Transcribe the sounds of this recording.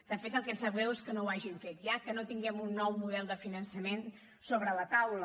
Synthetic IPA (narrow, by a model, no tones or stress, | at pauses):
d̪̥əfet̪əlˠkɛnsəβɾɛweskənouwaʒiɱfet̪jakənot̪iŋɡɛmunːɔwmuðɛlˠd̪əfinənsəmen | soβɾələt̪awlə